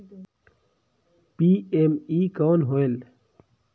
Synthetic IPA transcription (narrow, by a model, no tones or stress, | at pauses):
piemikawnɦoel